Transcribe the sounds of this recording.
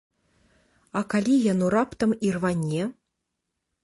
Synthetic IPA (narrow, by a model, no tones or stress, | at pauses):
ɐkalʲijanuɾapt̪ɐmirvanʲːɛ